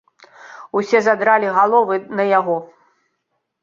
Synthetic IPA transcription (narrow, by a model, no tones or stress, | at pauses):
usʲɛzad̪ɾalʲiɣalˠɔvɨnɐjaɣɔ